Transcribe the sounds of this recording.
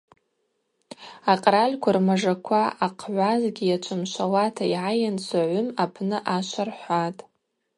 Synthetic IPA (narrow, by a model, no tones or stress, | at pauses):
aqʼralʲkʷʰarmaʐakʷʰaaqʰʕʷazɡʲijat͡ʃʷʰɨmʃʷawatʰaiʕajant͡ʃʷʰaʕʷʊmapʰnɨʔaʃʷarħʷatʼ